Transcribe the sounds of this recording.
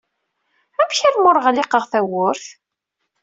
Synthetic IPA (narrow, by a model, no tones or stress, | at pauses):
æmçælmʊɾˤʁlɪqəʁθæwʊɾθ